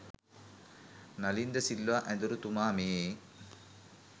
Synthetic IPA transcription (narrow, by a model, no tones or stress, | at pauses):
nɐlind̪ɐsilːʋaːʔɛ̃nd̪uɾut̪umaːmeː